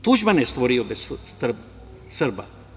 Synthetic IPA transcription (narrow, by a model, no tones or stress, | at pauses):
t̪uʒmanjest̪ʋoɾiobessr | sɨrba